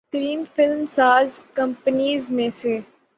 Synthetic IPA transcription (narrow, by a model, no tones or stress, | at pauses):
t̪ɾiːnfɪlmsaːzkɐ̃mpəniːzmẽseː